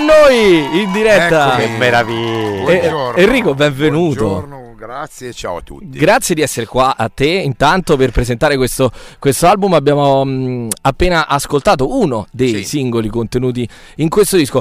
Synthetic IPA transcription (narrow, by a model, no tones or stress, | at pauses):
nːoːjind̪iɾɛt̪ːamːeɾavi | erːiːkobɛɱvenuːt̪o | at͡ʃawt̪ːṵɡɾat̪sːjed̪iɛsːeɾekwaʔat̪ːeint̪ant̪operpɾezent̪aːɾekwest̪okwest̪oalbumabːjaːmo | apːeːnaʔaskolt̪aːt̪̬ounod̪ejsiŋɡolikont̪enuːt̪̬i | iŋkwest̪od̪isko